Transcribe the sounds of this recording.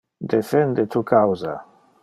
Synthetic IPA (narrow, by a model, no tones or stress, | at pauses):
d̪efend̪et̪ukawza̰